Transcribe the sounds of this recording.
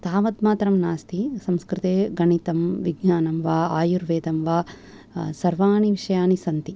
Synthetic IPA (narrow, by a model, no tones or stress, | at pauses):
t̪aːʋɐd̪maːt̪ɾɐmnaːst̪isɐmskɾɪt̪eːɡɐɳit̪ɐmʋiɡɲaːnɐmʋaːaːjuɾʋeːd̪ɐmʋaː | sɐɾʋaːniʋiʂɐjaːnisɐnt̪i